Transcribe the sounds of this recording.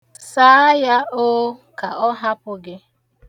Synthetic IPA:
saː˨˦ja˦o˦ka˨ɔ˦ɦa˦pʊ˦ɡɪ˦

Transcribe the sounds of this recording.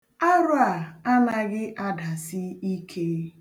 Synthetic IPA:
a˦ɾʊ˦a˨a˦na˨ɡɪ˦ʔa˦da˨sɪ˦i˦kʰe˦

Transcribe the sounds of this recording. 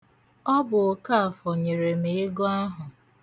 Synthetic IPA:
ɔ˦bʊ˨ka˦a˨fɔ˨ɲe˨ɾe˨m̩e˨ɪ˦ɡɔ˦ɦʊ˨

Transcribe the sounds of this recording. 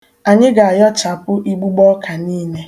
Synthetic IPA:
a˨ɲɪ˦ɡa˨a˨jɔ˦t͡ʃa˨pʊ˦ʔi˦ɡ͡bu˦ɡ͡bɔ˦kʰa˨niː˦ne˦

